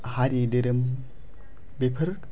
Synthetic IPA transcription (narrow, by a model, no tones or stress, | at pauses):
haɾideɾəm | bepʰəɾ